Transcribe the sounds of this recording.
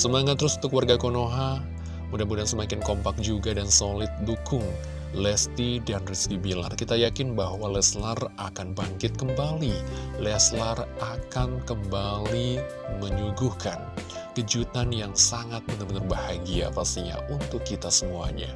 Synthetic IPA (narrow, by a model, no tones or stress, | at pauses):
səmaŋat̪ːəɾʊsunt̪ʊkːwarɡakonoɦa | mudamudansəmakɪnkɔmpak̚d͡ʒuɡadansolɪt̪̚dukʊŋ | lɛst̪idanriskibila̰rkit̪ajakɪnbahwalɛslarakanbaŋkɪt̪̚kəmbalilɛslarakankəmbali | məɲuɡuhkan | kəd͡ʒut̪anjaŋsaŋat̪̚bənarbənarbahaɡia̰past̪iɲa̰ʔunt̪ʊkːit̪asəmua̰ɲa̰